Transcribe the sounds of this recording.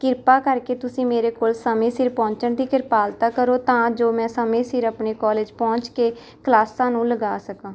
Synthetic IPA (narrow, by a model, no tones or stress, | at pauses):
kɪɾpaːkəɾkeːt̪ʊsĩːmeːɾeːkoːlsəmẽːsɪɾpɔ̃ːɲt͡ʃəɳd̪iːkɪɾpaːlt̪aːkəɾoːt̪ãːd͡ʒoːmɛ̃ːsəmẽːsɪɾəpɳeːkɔːleːd͡ʒpɔ̃ːɲt͡ʃkeː | klaːsãːnũːləɡaːsəkãː